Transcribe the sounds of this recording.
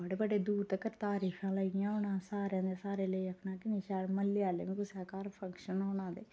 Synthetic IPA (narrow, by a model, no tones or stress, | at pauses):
əɽeːbəɖeːd̪uːɾt̪əkəɾt̪aːɾiːkʰãːləɡɪjãːɦoɳãːsaːɾjãːd̪eːsaːɾeːləiəkʰnãːkɪnĩːʃaːlməlːeːaːlḛːʋĩːkʊsaːkaːɾpʰə̃ŋkʃənɦoːnãːd̪ḛː